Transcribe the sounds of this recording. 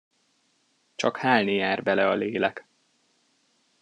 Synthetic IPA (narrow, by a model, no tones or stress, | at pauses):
t͡ʃɒkhaːlnijaːrbɛlɛɒleːlɛk